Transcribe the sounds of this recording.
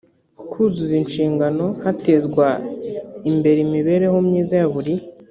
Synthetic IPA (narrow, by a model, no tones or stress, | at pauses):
kʰuzuzinʃiːŋɡano̞hate̞zɡwa | imbe̞ɾimiβe̞ɾe̞homɲiːzajaβuɾi